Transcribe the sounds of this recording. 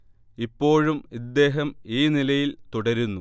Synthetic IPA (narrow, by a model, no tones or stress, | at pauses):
ipːo̞ːɻumid̪ːe̞ːɦɐmiːnilɐjilt̪uɽɐɾunːu